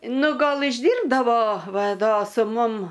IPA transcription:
ˈnʊ ˈɡɐlˠ ɪʒʲˈdʲiːrbdɐʋoː ˈʋɐ ˈdoː sʊ ˈmʊm

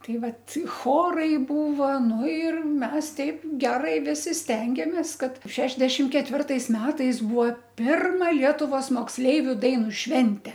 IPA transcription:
ˈtɐɪ ˈʋɐt ˈxoːrɐɪ ˈbuːʋɐ ˈnʊ ɪr ˈmʲɛs ˈtʲɛɪp ˈɡʲæːrɐɪ ˈʋʲɪsʲɪ ˈsʲtʲɛŋʲɡʲeːmʲeːs ˈkɐt ˈʃʲæːʒʲdʲɛʃʲɪm kʲɛtʲˈʋʲɪrtɐɪs ˈmʲæːtɐɪs ˈbuːʋoː ˈpʲɪrmɐ ˈlʲiɛtʊʋoːs moːksʲˈlʲɛɪʋʲʊ ˈdɐɪnʊ ˈʃʲʋʲɛnʲtʲɛ

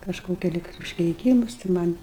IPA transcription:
kɐʃˈkoːkʲɛ ˈlʲɪk ʊʃʲkʲɛɪˈkʲiːmʊs tɐɪ mɐnʲ

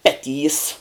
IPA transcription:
ˈpʲæːˌtʲiːs

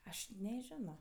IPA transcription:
ˈɐʃ nʲɛˈʒʲæːnoː

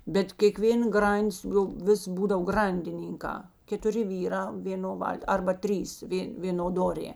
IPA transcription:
bʲɛt kʲeːˈkʋʲeːn ˈɡrɐnʲˌdʲɪs jɛʊ ˈʋʲɪs ˈbuːdɐw ˈɡrɐnʲdʲɪnʲiːŋkɑː kʲɛtʊˈrʲɪ ˈʋʲiːˌrɑː ʋʲeːˈnoː ˈʋɐlʲtʲ ˈɐrbɐ ˈtʲrʲiːs ˈʋʲeː ˈʋʲeːnoː ˈdoːrʲeː

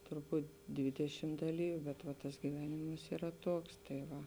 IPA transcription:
tʊrˈbuːt ˈdʲʋʲɪdʲɛʃʲɪm dɐˈlʲiːʋʲʊ bʲɛt ʋɐ tɐs ɡʲɪˈʋʲæːnʲɪmɐs iːˈrɐ ˈtoːks tɐɪ ˈʋɐ

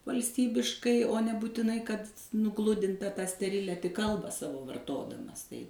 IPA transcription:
ʋɐlʲsʲˈtʲiːbʲɪʃkɐɪ oː nʲɛbuːtʲɪˈnɐɪ kɐt nʊˈɡlˠʊdʲɪntɐ tɑː sʲtʲɛˈrʲɪlʲɛ tʲɪk ˈkɐlˠbɑː ˈsɑːʋoː ʋɐrˈtoːdɐmɐs tɐɪ

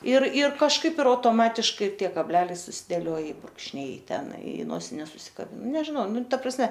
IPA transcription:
ɪr ɪr kɐʃˈkɐɪp ɪr ɐʊtoːˈmɑːtʲɪʃkɐɪ ɪr ˈtʲiɛ kɐbʲˈlʲæːlʲɛɪ sʊsʲɪˈdʲeːlʲoːj ɪ bruːkʃʲˈnʲɛɪ ɪ ˈtʲɛn ɪ ˈnoːsʲɪnʲɛs sʊsʲɪkɐˈbʲɪn nʲɛʒʲɪˈnɐʊ ˈnʊ ˈtɐ prɐsʲˈmʲɛ

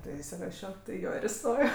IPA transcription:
ˈtɐɪ ɪsʲɪˈrɑːʃʲoː tɐɪ ɪ ˈjoː ɪr ɪˈstoːjoː

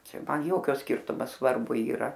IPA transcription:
ˈt͡ʃʲɛ ˈmɐn ˈjoːkʲoː ˈsʲkʲɪrtʊmoː sʋɐrˈbʊ iːˈrɐ

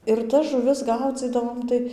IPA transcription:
ɪr tɐs ʒʊˈʋʲɪs ˈɡɐʊd͡zʲiːdɐʋoːm ˈtɐɪ

